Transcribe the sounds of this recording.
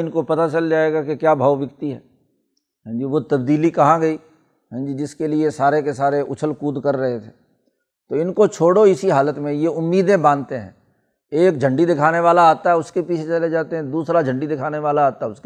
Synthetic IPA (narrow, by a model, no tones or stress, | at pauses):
ɪnkopɐt̪at͡ʃɐld͡ʒaːeɡakekjaːbʱaːʋʋɪkt̪iɦɛ̰ː | ɦɛ̃ːd͡ʒiʋot̪ɐbd̪iːlikɐɦãɡɐi | ɦɛ̃ːd͡ʒid͡ʒɪskeliesaːɾekesaːɾeʔʊt͡ʃʰəlkuːd̪kɐɾːɐɦet̪ʰeː | t̪oːɪnkot͡ʃʰoːɽoɪsiɦaːlət̪mẽjeʊmːiːd̪ẽbãːnt̪eɦɛ̰̃ | eːk̚d͡ʒʱɐ̃ɳɖid̪ɪkʰaːneʋaːlaaːt̪aɦɛʊskepiːt͡ʃʰet͡ʃɐled͡ʒaːt̪eɦɛ̃d̪uːsɾad͡ʒʱɐ̃ɳɖid̪ɪkʰaːneʋaːlaːt̪aɦɛʊske